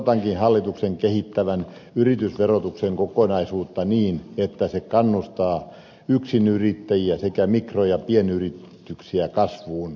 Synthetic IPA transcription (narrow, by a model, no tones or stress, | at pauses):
t̪ɑŋkinhɑlːit̪ukseŋkehit̪ːæʋænyrit̪ysʋerot̪ukseŋkokonɑisuːt̪ːɑniːnet̪ːæsekɑnːust̪ɑː | yksinyrit̪ːæjiæsekæmikrojɑpienyrit̪ː | yksiækɑsʋuːn